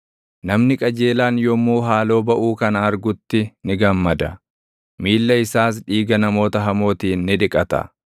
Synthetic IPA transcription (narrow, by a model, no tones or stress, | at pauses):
nɐmnɪkʼɐd͡ʒe̞ːlaːnjɔmuːɦaːlo̞ːbɐʔuːkɐnɐɾɡʊt̪ːɪnɪɡɐmːɐd̪ɐ | miːlːɐɪsaːs̬ᶑiːɡɐnɐmo̞ːt̪ɐɦɐmo̞ːt̪iːnːɪᶑɪkʼɐt̪ɐ̰